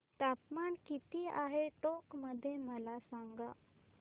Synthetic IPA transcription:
t̪apmankit̪iːaɦeʈokməd̪ʱːjeməlasaŋɡa

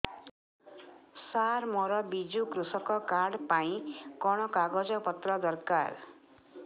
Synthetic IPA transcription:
saɾmɔɾɔbid͡ʒukɾusɔkɔkaɽpaĩkɔɽ̃ɔkaɡɔd͡zʌpʌt̪rɔd̪ʌrkar

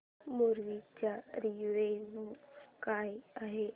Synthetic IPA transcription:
muɾʋit͡ɕjaɾiʋenukajaɦe

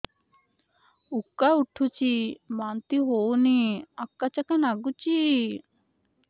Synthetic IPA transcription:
ukːauʈʰut͡ʃimant̪iɦowniakːat͡ʃakanaɡut͡ɕi

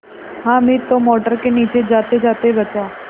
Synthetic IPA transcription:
ɦãmiːt̪omɔʈəɾkeniːt͡ɕed͡zat̪ed͡zat̪ebət͡sa

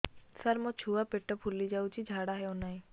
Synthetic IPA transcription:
sɐɾmot͡ʃʰuːapeʈːəpʰulid͡ʒaːut͡ʃid͡ʒʱaːɽaɦɛonaːĩ

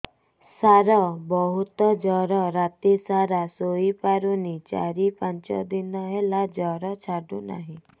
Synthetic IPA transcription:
saɾɔbɔɦut̪ɔd͡ʒɔɾɔɾat̪isaɾasoipaɾunit͡ʃa̰ɾipãnt͡ʃɔ̰d̪inɔɦelad͡ʒɔɾɔt͡ʃʰaɖuna̰ɦĩ

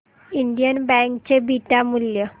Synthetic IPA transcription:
iɳɖijənbæ̃ŋkt͡ɕebʱiʈamuljə

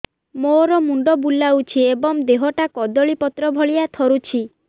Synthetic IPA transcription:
moɾɔmuɳɖɔbulːawt͡ʃʰiebɔŋd̪eɦɔʈakɔd̪ɔɭipɔt̪ɾɔbʱɔɭijat̪ʰɔɾut͡ʃʰi

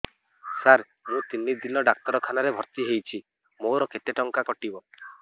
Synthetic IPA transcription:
saɾ | mũt̪inːid̪inɔɖak̚t̪ɔɾɔkʰanaɾebʱɔɾt̪iɦejt͡ʃʰi | moɾɔket̪eʈɔŋkakɔʈibɔ

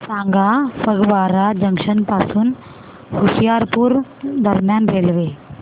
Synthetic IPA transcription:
sãŋɡafəɡʋaɾad͡ʑəŋkʂənpasuːn | husjaɾpuːɾd̪əɾmjanɾelʋe

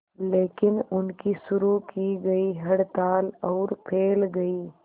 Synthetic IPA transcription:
leːkɪnʊnkisʊɾukiɡɐiɦɐɽt̪aːlɐʊɾpʰeːlɡɐi

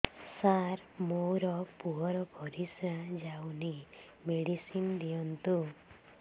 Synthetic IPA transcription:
saɾmowɾɔpuɦɔɾɔbʱɔɾisɾãd͡ʒawni | meɽisind̪ijɔnt̪u

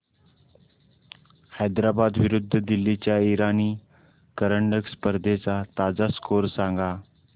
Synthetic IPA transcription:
hajd̪ɾabad̪ʋiɾud̪ʱːəd̪ilːit͡ɕjaiɾaniː | kəɾəɳɖəkspəɾd̪ʱet͡sat̪ad͡zaskoɾsãŋɡa

